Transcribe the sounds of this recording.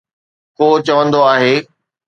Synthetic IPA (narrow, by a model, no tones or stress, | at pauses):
koːt͡ɕɐʋə̃nd̪oaːɦeː